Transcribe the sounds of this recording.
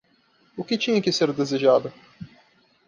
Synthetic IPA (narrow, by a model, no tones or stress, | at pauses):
ʊkɪt͡ʃĩɲɐkɪseɾd̪ezeʒad̪ɐ